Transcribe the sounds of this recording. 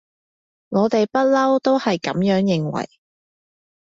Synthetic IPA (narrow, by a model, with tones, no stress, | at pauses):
ŋɔː˨˧t̪e˨jpɐ˥t̚lɐ˥wt̪o˥whɐ˨jkɐ̰˨˥mjœː˨˥ŋjɪ˨˩ŋwɐ̰˨˩j